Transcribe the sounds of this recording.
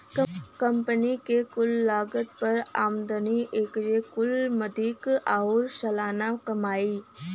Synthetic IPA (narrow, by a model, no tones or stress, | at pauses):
kəmpənikekʊlːaːɡət̪pɐɾaːmd̪əniʔeːkd͡ʒekʊlmɐd̪ʱiːkaʊɾsɐlaːnakɐmaːiː